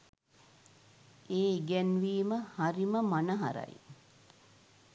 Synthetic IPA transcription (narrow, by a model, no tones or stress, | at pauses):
eːiɡænʋiːməhaɾiməmanəɦa̰ɾɐ̰j